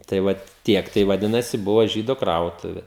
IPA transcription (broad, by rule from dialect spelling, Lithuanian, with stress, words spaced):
tɐɪ ˈʋɐt ˈtʲiɛk tɐɪ ʋɐˈdʲɪnɐsʲɪ ˈbʊʋoː ʒʲiːdoː ˈkrɐʊtʊʋʲɛ